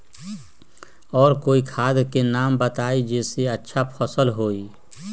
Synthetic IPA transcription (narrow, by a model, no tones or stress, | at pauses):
ɔːɾkoːikʰaːd̪kenaːmbət̪aːid͡ʒɛːseətːʃʰapʰɔsəlɦoːiː